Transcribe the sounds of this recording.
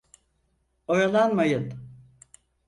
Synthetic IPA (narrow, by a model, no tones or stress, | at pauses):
ojalˠanmajɯn